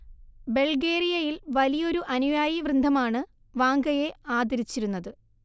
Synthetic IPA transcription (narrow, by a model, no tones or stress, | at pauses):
be̞ɭɡe̞ːrijɐjilʋɐlijo̞ɾuʔɐnujaːjiʋrɨnd̪ʱɐmaːɳɨ | ʋaːŋɡɐje̞aːd̪ɐɾit͡ɕːiɾunːɐðɨ